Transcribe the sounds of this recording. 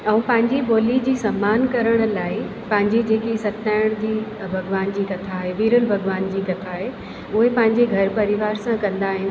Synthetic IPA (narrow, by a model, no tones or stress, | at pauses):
ɛ̃ũpɐ̃ɦɪ̃ɲd͡ʑiɓoːlid͡ʑiːsɐmːaːnkɐɾəɽ̃ʊ̆laːɪpɐ̃ɦɪ̃ɲd͡ʑed͡ʑeːkisɐtnaːɪɽ̃d͡ʑiːbʱɐɡʋaːnd͡ʑiːkɐt̪ʰaːɦeʋiːɾəlbʱɐɡʋaːnd͡ʑiːkɐt̪ʰaːɦe | ʊɦepɐ̃ɦɪ̃ɲd͡ʑeɡʱɐɾpɐɾɪʋaːɾsãkɐ̃nd̪aːɦɪ̃n